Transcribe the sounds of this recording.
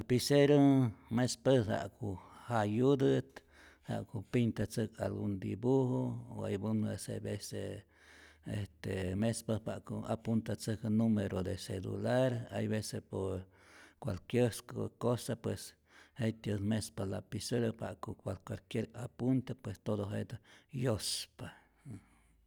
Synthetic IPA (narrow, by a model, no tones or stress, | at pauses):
apiseɾomespesha̰kuhajud̪ɨt̪ | ha̰ʔkupint̪at͡sɨkalɡund̪ibuhooa̰jbunesebese | est̪emespapa̰ʔkoapunt̪at͡sɨknumeɾod̪eselṵlaɾa̰jβesepoɾ | kwalkjeɾskokosapwes | hejt̪amespalapisuɾapa̰ʔkokwalkʷalkjeɾapunt̪epwest̪od̪oɦed̪jospa